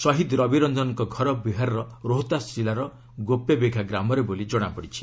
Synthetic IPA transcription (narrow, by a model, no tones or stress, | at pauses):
sɔɦid̪ɾɔbiɾɔnd̪ɔnɔŋkɔɡʱɔɾɔbiɦaɾɔɾɔɾoɦt̪asilaɾɔ | ɡopebeɡʱaɡɾamɔɾebolid͡ʒɔɽ̃apɔɽit͡ʃʰi̥